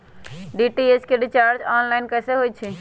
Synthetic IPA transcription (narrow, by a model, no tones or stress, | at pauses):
ɖiːʈiːeskeɖit͡ʃaːɾd͡ʒaːnlaːɪnkɐseɦoːit͡ʃʰi